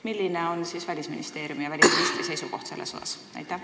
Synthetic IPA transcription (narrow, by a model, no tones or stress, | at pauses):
milːineo̞nsiːsvælʲisminist̪e̞ːɾjumjɑvælʲist̪ɾist̪ise̞jsuko̞ht̪se̞lːesosɑ̰snæ̰jt̪ːˑæ